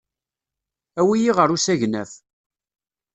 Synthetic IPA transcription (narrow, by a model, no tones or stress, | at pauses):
æwijiʁəɾusæʝnæf